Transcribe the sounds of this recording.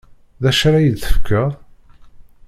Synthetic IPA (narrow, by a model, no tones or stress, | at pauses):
ðæʃɾajəd̪θə̥fkːæ